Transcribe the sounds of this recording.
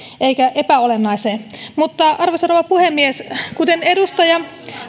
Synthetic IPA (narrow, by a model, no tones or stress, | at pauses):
ʔeikæʔepæolenːɑiseːmut̪ːɑɑrʋosonoʋɑpuhemːieskut̪enedust̪ɑjɑ